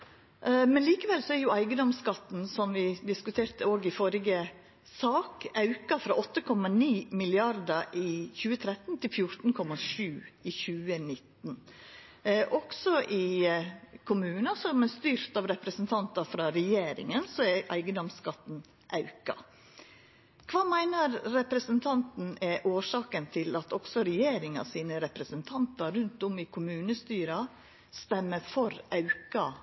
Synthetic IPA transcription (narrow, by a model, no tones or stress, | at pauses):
mɛnliːkəʋɛlsɔæɾjʊæɪɡəd̪ɔmskɑt̪ːn̩sɔmʋɪd̪ɪskʉt̪ʰeːɾt̪əoːɡɪfɔɾɪɡə | sɑːkɑʉkɑfɾɑʔɔt̪ːəkʰɔmɑniːmɪlɪɑɾd̪ɑɪçʉːət̪ʰɾɛt̪n̩t̪ʰɪlfjʊɾt̪n̩kʰɔmɑʂʉːɪçʉːənɪt̪n̩ | ʔɔksɔʔɪ | kʰʊmʉːnɑsɔmɛst̪yːɾt̪ɑʋɾɛpɾəsənt̪ʰɑnt̪ɑfɾɑːɾɛjeːɾɪ̰ŋənsɔɛʔæ̰ɪɡəd̪ɔmskɑt̪n̩ | ʔɑʉkɑ̰ | kʰʋɑːmæɪnəɾɾɛpɾəsənt̪ʰɑnt̪n̩ɛʔoːʂɑːkənt̪ʰɪlɑt̪ɔksɔɾɛjeːɾɪŋɑ̰siːnəɾɛpɾəsənt̪ʰɑnt̪ɑɾʉnt̪ɔmɪkʰʊmʉːnəst̪yːɾɑ | st̪ɛmːəfɔɾɑʉkɑ